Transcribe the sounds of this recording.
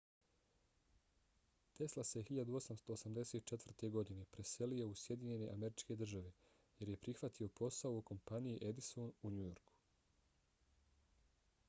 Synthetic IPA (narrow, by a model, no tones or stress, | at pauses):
t̪e̞slˠase̞xiʎad̪uo̞samst̪o̞ːsamd̪e̞se̞t̪̚t͡ʃet̪ʋr̩t̪e̞ɡo̞d̪ine̞pɾe̞se̞lijo̞usje̞d̪iɲe̞ne̞ʔame̞ɾit͡ʃke̞d̪r̩ʒaʋe̞ | je̞ɾje̞pɾixʋat̪ʰio̞pʰo̞saooko̞mpanijiʔe̞d̪isonuɲujo̞ɾkʰu̥